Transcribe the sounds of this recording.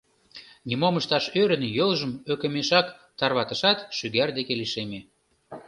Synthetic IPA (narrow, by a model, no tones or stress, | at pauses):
nʲimoməʃt̪ɑʃøɾənjolʒəmøkə̆meʃɑkt̪ɑrβɑt̪əʃɑt̪ʃyɣærd̪ekeliʃeme